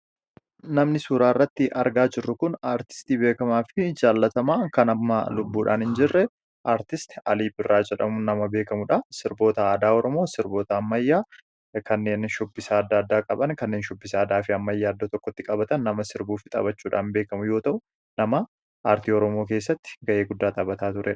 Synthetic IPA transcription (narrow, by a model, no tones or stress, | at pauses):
nɐmnɪsuːɾaːɪrːɐt̪ːɪʔɐɾɡaːd͡ʒɪrːʊkʊnaːɾt̪ɪ̥st̪iːbe̞ːkɐmaːfɪd͡ʒaːlːɐt̪ɐmaːkɐnɐːa̰lʊbːuːᶑa̰ːnhɪnd͡ʒɪrːɛ | ʔaːɾt̪ɪst̪ɪ̥ɐliːbɪrːaːd͡ʒɛᶑɐ̰mʊnɐmɐbe̞ːkɐmʊᶑasɪɾbo̞ːt̪ɐaːd̪aːɔɾɔmo̞ːsɪɾbo̞ːt̪ɐːmːɐjːaː | kɐnːe̞ːnʃʊbːɪsɐːd̪ːaːd̪ːaːkʼɐbɐnkɐnːeːnʃʊbːɪsɐːd̪aːfɪɐmːɐjːaːɐd̪ːot̪ɔkːɔt̪ːɪkʼɐbɐt̪ɐnːɐmɐsɪɾbuːfɪt̪ʼɐ̰bɐt͡ʃːuːᶑa̰ːnbe̞ːkɐmʊjo̞ːt̪ɐʔʊ | nɐmɐ | aːɾt̪iːɔɾɔmoːkeːs̬ːɐt̪ːɪ̥ɡɐʔe̞ːɡʊd̪ːaːt̪ʼɐːbɐt̪aːt̪ʊɾʔɛᶑ